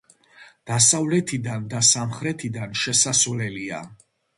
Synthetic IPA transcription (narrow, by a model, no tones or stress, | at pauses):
d̪̥asavlɛt̪ʰid̪and̪asamχɾɛt̪ʰid̪anʃɛsasvlɛlia̰